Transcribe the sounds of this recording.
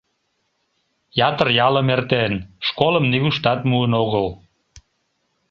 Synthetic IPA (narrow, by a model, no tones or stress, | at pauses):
jɑt̪ərjɑləmert̪enʃkoləmniɣuʃt̪ɑt̪muənoɣəl